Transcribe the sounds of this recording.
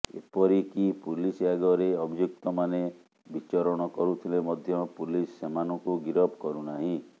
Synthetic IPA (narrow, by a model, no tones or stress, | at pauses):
ḛpɔɾikipulisaɡɔɾeɔbʱijuk̚t̪ɔmane | bit͡ʃɔɾɔɽ̃ɔkɔɾut̪ʰilemɔd̪ʱjɔpulisːemanɔŋkuɡiɾɔbkɔɾunaɦĩ